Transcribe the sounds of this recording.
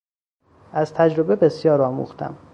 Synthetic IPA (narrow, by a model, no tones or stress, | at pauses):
ʔæz̥t̪ʰæd͡ʒɾo̞be̞be̞sjɒːɾɒːmṵːxt̪ʰæ̰m